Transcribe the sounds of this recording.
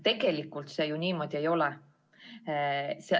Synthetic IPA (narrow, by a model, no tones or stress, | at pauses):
t̪e̞ɡ̥e̞likːˑult̪sejunʲiːmo̞ːd̪ʲie̞jo̞lɛ | se